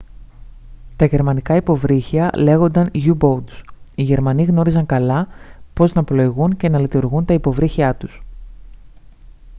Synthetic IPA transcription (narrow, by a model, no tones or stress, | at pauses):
t̪ɐʝe̞ɾmɐnikɐipo̞vɾiçiɐle̞ɣo̞nd̪ɐnʝubo̞d̪siʝe̞ɾmɐniɣno̞ɾizɐŋkɐlɐpo̞znɐplo̞iɣunce̞nɐlit̪uɾɣunt̪ɐipo̞vɾiçiɐt̪us